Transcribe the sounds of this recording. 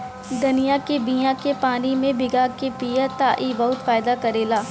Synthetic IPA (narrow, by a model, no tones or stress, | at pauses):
d̪ʊnijakebijãkepaːnimẽbɪɡaːkepijət̪aːʔibɐɦʊt̪faːɪd̪akɐɾeːlaː